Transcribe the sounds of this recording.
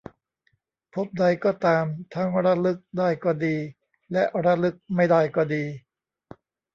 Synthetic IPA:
pʰo˦˥p̚da˧jkɔː˥˩t̪aː˧mt̪ʰa˦˥ŋɾa˦˥lɯ˦˥k̚daː˥˩jkɔː˥˩diː˧ | lɛ˦˥ʔɾa˦˥lɯ˦˥k̚ma˥˩jdaː˥˩jkɔː˥˩diː˧

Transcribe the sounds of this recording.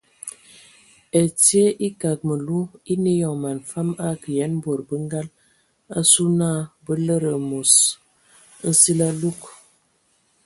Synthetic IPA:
e˨ti˦e˦ʔi˦ka˨k̚mə˨lu˦i˦ne˦jɔ˨ŋma˨nfa˦ma˦kə˨jɛ˨˦nbo˨ɾbə˦ŋ˦ɡa˦l | a˦su˦na˦˨bə˦lə˦ɾə˨mu˨s | n̩˦si˦la˦lu˦k

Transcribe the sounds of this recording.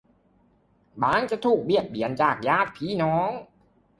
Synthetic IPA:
baː˨˦˥ŋt͡ɕa˨˩t̪ʰuː˨˩k̚bi˨˩ət̪̚bi˨˩˦ənt͡ɕaː˨˩k̚jaː˥˩t̪̚pʰiː˨˦˥nɔː˦˥ŋ

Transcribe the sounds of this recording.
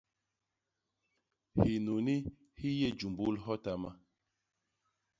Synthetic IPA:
hi˨nu˨ni˦ | hi˦je˦˨d͡ʒu˨mbu˦lɦɔ˦ta˨ma˦

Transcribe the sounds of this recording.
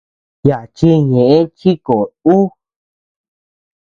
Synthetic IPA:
ja˨t͡ʃi˧ɲẽ˨ʔẽ˦t͡ʃi˦ko˨u˦

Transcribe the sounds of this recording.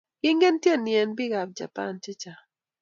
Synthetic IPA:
ɡɪ˦ŋɡe˦ntje˦˨ni˨ɛ˨nbɪ˦ɡa˨p̚d͡ʒa̰˨pa̰˦˨nt͡ʃi˦t͡ʃa˨

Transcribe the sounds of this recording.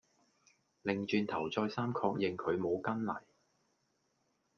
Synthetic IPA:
lɪ˨ŋt͡ʃyː˨˧nt̪ʰɐ˨˩wt͡sɔː˧jsaː˥mkʰɔː˧k̚jɪ˨ŋkʰɵ˨˧ɥmo˨˧wkɐ˥nlɐ̰˨˩j

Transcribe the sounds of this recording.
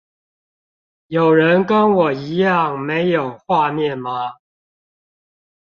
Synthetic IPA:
jo˨˩ʊɻə˨˦nkə˦nwɔ˨˩i˨˥jɑ˥˨ŋme˨˧˦ɪjo˨˩ʊxwa˥˧mjɛ˥˨nma˨

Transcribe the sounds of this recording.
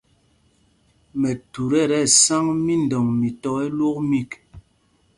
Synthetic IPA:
mɛ˨tu˨ɾɛ˦˨ɾɛ˦˨sa˦ŋmi˦n˨dɔ˨ŋmi˨tɔ˦ɛ˦lo˦k̚mi˦˨k

